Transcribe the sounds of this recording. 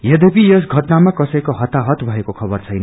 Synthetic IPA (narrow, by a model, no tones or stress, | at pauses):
jʌd̪epijʌsɡʱʌʈnamakʌsʌjkoɦʌt̪ːaɦʌt̪bʱʌekokʰʌbʌrt͡sʰʌjnʌ